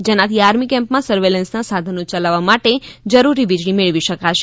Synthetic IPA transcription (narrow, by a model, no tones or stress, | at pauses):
d͡ʒenãt̪ʰiaɾmikɛ̃mpmãsəɾʋelɛnsnasad̪ʱənot͡ʃalaʋːamaʈed͡ʒəɾuɾiʋid͡ʒɽimeɭʋiʃəkaʃe